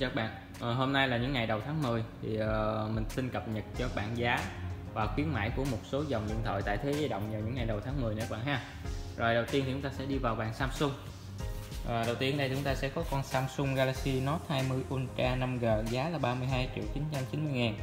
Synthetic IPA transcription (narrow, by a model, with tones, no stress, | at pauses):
t͡ɕə˨˦˥k̚ɓa̰ː˧˨n | ʔəː˨˩ɦo˧mna˧jlaː˨˩ɲɨ̰˧˥ŋːa˨˩jɗə˨˩wt̪ʰaː˨˦ŋmɨ˨˩əjt̪ʰi˨˩ʔə˨˩mï˨˩ŋ̟si˧nkə˨˩p̚ɲə˨˩t̚t͡ɕɔ˧ɓa̰ː˧˨nzaː˨˦vaː˨˩xwi˨˦ənma̰ː˧˥jku˧˩əmo˨˩t̚so˨˦zə˨˩wŋ͡mlḭ˧˨ət̪ʰə̰˧˨jt̪a̰ː˧˨jt̪ʰe˨˦ziː˧jɗə̰˧˨wŋ͡mɲəː˨˩ɲɨ̰˧˥ŋːa˨˩jɗə˨˩wt̪ʰaː˨˦ŋmɨ˨˩jnə̰˧˦˥ɓa̰ː˧˨nɦaː˧˩ | zo˨˩jɗə˨˩wt̪i˧nt̪i˨˩ʊ˨˦ŋ͡mt̪aː˧sɛ̰˧˥ɗi˧vaː˨˩wɓaː˨˩nsaː˧msʊ˧ŋ͡m | ʔəː˨˩ɗə˨˩wt̪i˧ənɗə˧tʰi˨t͡ɕʊ˨˦ŋ͡mt̪aː˧sɛ̰˧˥kɔ˨˦kɔ˧nsaː˧msʊ˧ŋ͡mɣaː˧laː˧k̚si˧nɔ˦˥t̚haː˧jmɨ˧əjʔu˧nt͡ɕaː˧na˧mɣəː˨˩zaː˨˦laː˨˩ɓaː˧mɨ˧əjɦaː˧jt͡ɕḭ˧˨wt͡ɕi˨˦nt͡ɕa˧mt͡ɕi˨˦nmɨ˧jŋaː˨˩n